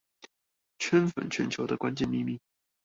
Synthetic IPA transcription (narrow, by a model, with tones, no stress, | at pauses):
t͡ɕʰə˥nfə̰˨˩nt͡ɕʰɥɛ̰˧˥nt͡ɕʰjo˧˥ʊd̪ə˧kwa˥nt͡ɕjɛ˥˧nmi˥˧mi˥˩ŋ